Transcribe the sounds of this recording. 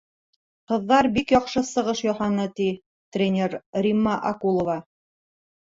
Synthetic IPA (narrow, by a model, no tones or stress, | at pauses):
qɤ̆ðːɑɾbikjɑqʃɤsɤ̆ʁɤʃjɑhɑnɤt̪i | t̪rʲenʲeɾrʲimːɑʔɑkulˠŏvɑ